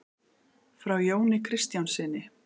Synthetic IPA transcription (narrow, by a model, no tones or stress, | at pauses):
fɾawjoːwnɪkʰɾɪst̪jawnsɪnːɪ